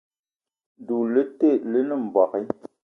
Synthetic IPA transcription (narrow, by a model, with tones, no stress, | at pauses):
du˨lə˦te˦˨lə˦nə˦˨m̩˨bɔ˨ki˦